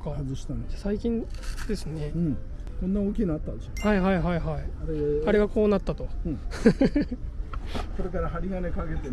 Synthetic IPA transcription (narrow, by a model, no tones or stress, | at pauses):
kahazɨɕi̥t̪ãnd͡ʑasaikʲĩnd̪̥e̞sɨne̞ɯ̃ | kõnːaoːkʲinat̪ːãd̪eohaiɦaiɦaiɦaiaɾeaɾe̞ɡako̞ːnat̪ːat̪õ̞ | soɾe̞kaɾaɦaɾʲiɡane̞kaɡe̞t̪e